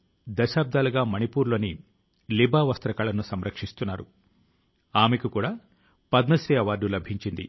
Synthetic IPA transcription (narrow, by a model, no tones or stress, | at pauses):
d̪ɐʃaːb̚d̪ʱaːluɡaːmɐnipuːɾlo̞ːni | libʱaːʋɐst̪ɾɐkaːlɐnusɐmɾɐkʂist̪unːaːɾṵ | aːmekukuːɽaː | pɐd̪nɐsɾiːɐʋaːɾɖːulɐbʱiɲt͡ʃind̪ḭ